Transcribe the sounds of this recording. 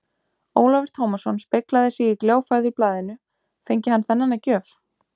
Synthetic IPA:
oːwlavɪɾ̥t̪ʰoːwmasɔnspeklaðɪsiikljoːwfaɥðʏiplaːðɪnʏ | fejɲcɪhanːθɛnːanːacœːf

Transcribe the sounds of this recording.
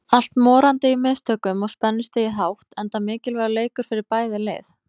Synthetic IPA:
al̥t̪mɔːɾant̪ɪimɪːst̪ʰœkʏmɔɣspɛnːɪst̪ɪiɦawht̪ɛnt̪amɪːcɪlvɛɾaleːjkʏɾ̥fɪɾɪɾpaːjðɪlɪ̰ːθ

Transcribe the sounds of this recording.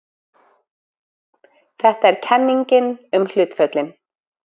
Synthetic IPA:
θɛht̪aɛɾ̥cʰɛnːiɲcɪnʏml̥ʏːt̪fœt̪lɪn

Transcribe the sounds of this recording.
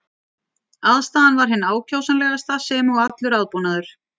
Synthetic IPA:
aðst̪aːðanvaɾ̥ɦɪnːaːwcʰawsanlɛɣast̪asɛmɔɣat̪lʏɾaðpɔnaðʏɾ̥

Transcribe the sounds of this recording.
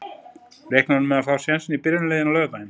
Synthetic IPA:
reːhknanʏmɛðaðfaw̥sjɛnsɪnipɪɾnɪleːjðɪnawlœːvpajɪn

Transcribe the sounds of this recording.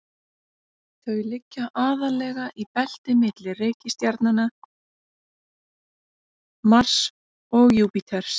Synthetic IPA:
θʰœːjlɪcːaʔaːðalɛɣaʔipɛl̥t̪ɪmɪt̪lɪreːjcɪst̪jaɾt̪nana | mar̥s | ɔɣjupit̪ʰɛɾ̥s

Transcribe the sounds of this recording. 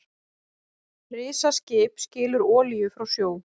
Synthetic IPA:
rɪːsascɪːpscɪːlʏɾɔːlijʏfɾawsjoːw

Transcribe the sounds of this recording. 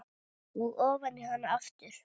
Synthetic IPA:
uɣɔːvanɪhanːaafcɪɾ̥

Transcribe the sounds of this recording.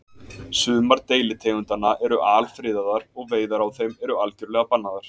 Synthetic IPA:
sʏːmaɾt̪eːjlɪt̪ʰeːjɣʏnt̪anaʔɛɾʏʔaːlfɾɪːðaðaɾɔɣveːjðaɾawθejmɛɾʏalcʏɾlɛːɣapanːaðaɾ̥

